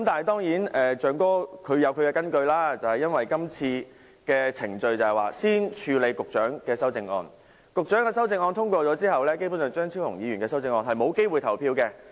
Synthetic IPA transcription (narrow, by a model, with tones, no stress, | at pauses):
kɐ˦mt̪aː˨nhɐ˨˩jt̪ɔː˥ŋjiː˨˥nɛː˨t͡ʃœː˨ŋkɔː˥kʰɵ˨˧ɥjɐ˨˧wkʰɵ˨˧kɛː˧kɐ˥nkɵ˧ɥlaː˥t͡sɐ˨˩whɐ˨jɐ˥nwɐ˨jkɐ˥mt͡sʰiː˧ | kɛː˧t͡sʰɪ˨˩ŋt͡ʃɵ˧ɥt͡sɐ˨hɐ˨˩jwaː˨˩siː˥nt͡ʃʰyː˨˧le˨˧jkʊ˨k̚t͡ʃœː˨˥ŋkɛː˧sɐ˥wt͡sɪ˧ŋɔ̰ː˧n | kʊ˨k̚t͡ʃœː˨˥ŋkɛː˧s̬ɐ˥wt͡sɪ˧ŋɔː˧nt̪ʰʊ˥ŋkʷɔː˧t͡sɔː˨˥t͡siː˥hɐ˨wlɛː˥k̬e˥jpuː˨˥sœː˨ŋt͡ʃœː˥ŋt͡sʰiː˥whʊ˨˩ŋjiː˨˧ɥyː˨˩nkɛː˧sɐ˥wt͡sɪ˧ŋɔː˧nɦɐ˨jmo˨˧wke˥jwu˨jt̪ʰɐ˨˩wpʰiː˧wkɛː˧